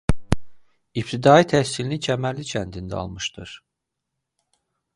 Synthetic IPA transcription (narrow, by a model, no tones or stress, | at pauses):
ip̚t̪ʰid̪ɑːit̪ʰæçsilinicʰæmælːicʰænd̪ind̪æɑ̰lˠmɯʃd̪ɯɾ